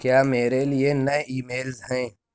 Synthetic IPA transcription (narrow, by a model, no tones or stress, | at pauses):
kjaːmeːɾelienɐeiːmeːlzɦɛ̃ː